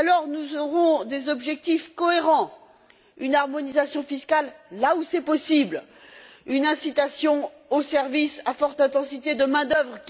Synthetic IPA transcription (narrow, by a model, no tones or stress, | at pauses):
alɔʁnuzɔʁɔ̃d̪ezɔbʒɛk̚t̪ifkɔeʁɑ̃ | ynaʁmɔnizasjɔ̃fiskʲalːausɛpɔsibl | ynɛ̃sit̪asjɔ̃ | osɛʁvisafɔʁt̪ɛ̃t̪ɑ̃sit̪ed̪əmɛ̃d̪œvʁk